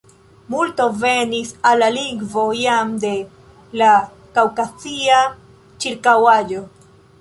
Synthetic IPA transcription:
multo̞ve̞nisalːaliŋɡvo̞jamde̞ | la | kawkat͡sia | t͡ʃiɾkawad͡ʒo̞

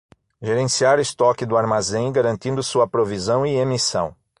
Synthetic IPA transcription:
ʒeɾẽsiaɾʊɪst̪ɔkɪd̪ʊaɾmazẽj̃ɡaɾɐ̃nt̪ĩnd̪ʊsuɐpɾovizɐ̃w̃iemisɐ̰̃w̃

